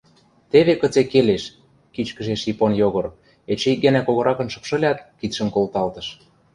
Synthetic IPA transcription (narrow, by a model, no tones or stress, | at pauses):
t̪eβekə̆t͡sekeleʃ | kit͡ɕkə̆ʒeʃiponjoɣɤ̆ɾ | et͡ɕeik̚ɡænækoɣɤ̆ɾɑkɤ̆nʃɤ̥̆pʃɤ̆lʲɑt̪kit̪ʃə̆nkolt̪ɑlt̪ɤ̆ʃ